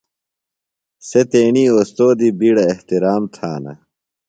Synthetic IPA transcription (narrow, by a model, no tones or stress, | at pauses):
set̪eːniːoːst̪oːd̪ibiɽɐeht̪iɾaːmt̪ʰaːnɐ̰